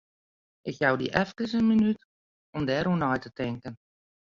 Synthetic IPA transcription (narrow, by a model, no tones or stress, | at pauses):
ʔɪkjawdḭʔɛfkəsənminyt | ɔmdɛːɾunɔjtətɪŋkən